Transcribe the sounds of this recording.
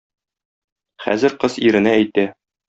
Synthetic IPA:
χæ̰zɘ̆ɾqɤziɾɘ̆nææjt̪æ

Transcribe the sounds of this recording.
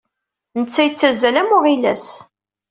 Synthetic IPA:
nət͡sːæjət͡sːæzælæmʊʁilæ̰s

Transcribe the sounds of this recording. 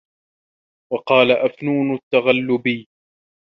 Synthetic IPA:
wɑqɑːlaʔafnuːnʊt̪ːaɣalːʊbiː

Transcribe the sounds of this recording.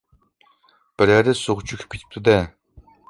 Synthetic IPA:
b̥ɪɾæɾd̪ɪsoʁʊt͡ʃʰykʲʰy̥p̚kʲe̥t̪ʰɪ̥p̚t̪ʰud̪ɛ

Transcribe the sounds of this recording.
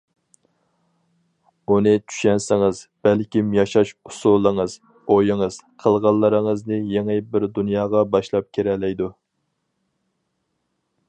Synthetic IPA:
unɨt͡ʃʰy̥ʃɛnsɪŋɪzb̥ɛlkʲimjɑʃɑʃusulˠːəŋəz | ojɪŋəz̥qʰəlˠʁɑlˠːəɾəŋəznɨjeŋɪbɪɾd̪unjɑːʁɑbɑʃlˠɑp̚kʲʰeɾɛlɛjd̪u

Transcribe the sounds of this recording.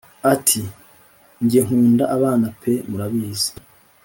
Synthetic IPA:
atʰi | ɲɟieŋ̥huːndaʔaβaːnapʰe̞muɾaβiːze̥

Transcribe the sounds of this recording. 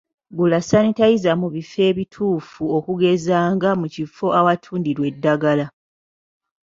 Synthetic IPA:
ɡulasanitajizamuβife̞ːβitʰuːfuo̞kuɡe̞zaːŋɡamucifo̞ʔawatʰuːndiɾwe̞dːaɡala

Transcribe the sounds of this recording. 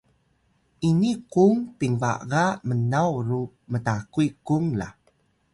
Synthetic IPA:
ʔinikuŋpiŋva̰ɣamənawru | mətakuikuŋla̰

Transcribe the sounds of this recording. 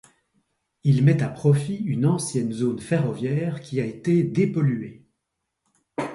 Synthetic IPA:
ilmɛt̪apχɔfiynɑ̃sjɛnzonfeʁɔvjɛːʁkʲʰiaet̪ed̪epɔlye

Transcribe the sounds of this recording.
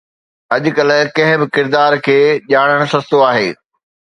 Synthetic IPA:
ɐʄʊ̆kɐl̆kɐ̃ɦɪ̃bɪkɪɾd̪aːɾkʰeːʄaːɽ̃əɽ̃ʊsɐst̪oaːɦḛː

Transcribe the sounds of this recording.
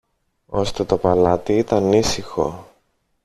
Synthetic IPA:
o̞st̪e̞t̪o̞pɐlɐt̪iit̪ɐnisixo̞̰

